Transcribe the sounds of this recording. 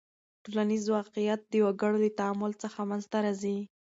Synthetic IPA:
ʈulanizwɑqijat̪̚d̪əwaɡəɽod̪ət̪aamʊlt͡səxamanzt̪aɾazi

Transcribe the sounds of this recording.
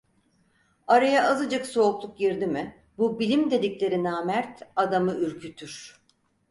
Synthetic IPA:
aɾajaʔazɯd͡ʒakso̞ːklˠuk̚ɟiɾd̪imɪ | bubilʲimd̪e̞d̪iclʲe̞ɾinaːmæɾt̪ad̪amɯyɾcʰyt̪ʰyɾ̥

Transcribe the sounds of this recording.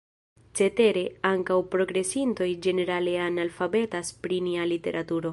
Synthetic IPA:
t͡se̞te̞ɾe̞aŋkawpɾo̞ɡɾe̞sinto̞jd͡ʒe̞ne̞ɾale̞analfabe̞taspɾinialite̞̰ɾʔatuɾo̞

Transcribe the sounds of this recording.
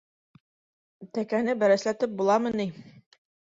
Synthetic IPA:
t̪ækænɘbæɾæslæt̪ɘp̚bulˠɑmɤ̆ni

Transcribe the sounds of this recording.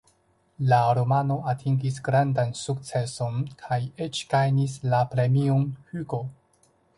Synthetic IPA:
laɾo̞mano̞atʰiŋɡisɡɾandansuk̚t͡se̞so̞nkʰaje̞t͡ʃɡ̥ajnis̬lapɾe̞mionhyɡo̞

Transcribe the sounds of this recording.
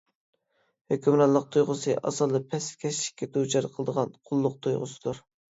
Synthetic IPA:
høkʲymɾɑlˠəq̚t̪ʰujʁʊsɨʔɑ̰sɑlˠd̪ɨpʰɛskʲʰɛʃi̥kʲːɛt̪ut͡ʃʰɑɾqʰəlˠəd̪əʁɑnqʰʊlˠːʊq̚t̪ʰujʁʊ̰sɨ̥d̪̥uɾ

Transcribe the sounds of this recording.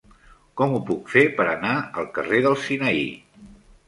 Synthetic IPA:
kɔmupukfepəɾənaəlˠkəreðəlˠsinəḭ

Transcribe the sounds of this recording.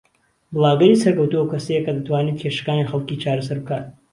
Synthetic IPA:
bɨlˠaːɡɐɾiːsɐɾkɐwt̪uwɐwkʰɐsejekɐd̪ɐt̪waːniːt̪̚kʰeʃɐ̥kaːnixɐlˠkiːt͡ʃaːɾɐsɐɾbɨkaːt̪̚

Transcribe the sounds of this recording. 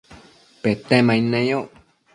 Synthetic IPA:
pet̪ẽmãĩnẽjoʔ

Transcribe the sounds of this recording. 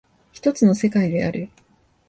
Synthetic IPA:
çi̥t̪o̞t͡sɨno̞se̞kaid̪e̞a̰ɾɯ̟

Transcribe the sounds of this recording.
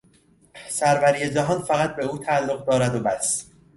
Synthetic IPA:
sæɾvæɾiːjed͡ʒæɦɒːnfæɣæt̪̚be̞uːt̪ʰæælːoʁd̪ɒːɾæd̪obæs

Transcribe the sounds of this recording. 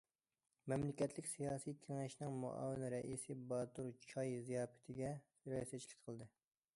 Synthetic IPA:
mɛmlɪkʲɛt̪ʰlɪkʲsijɑːsijk̪ʲʰeŋɛʃnɪŋmṵʔɑ̰ːwɪnɾɛʔisɨbɑːt̪uɾt͡ʃʰɑjzijɑːpɪ̥t̪ʰɪɡʲɛ | ɾɑsɛt͡ʃʰlɪ̥k̚ʲqʰəlˠd̪ɨ

